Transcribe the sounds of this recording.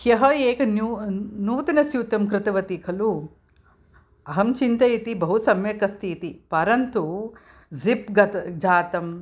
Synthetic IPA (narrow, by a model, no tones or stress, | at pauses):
jɐɦɐeːkɐnunuːt̪inɐsjut̪ɐmkɾɪt̪ɐʋɐt̪ikʰɐlu | ɐɦɐmt͡ʃint̪ɐjit̪ibɐɦusɐmjɐkɐst̪iːt̪ipɐɾɐnt̪u | zipɡɐt̪d͡ʒaːt̪ɐm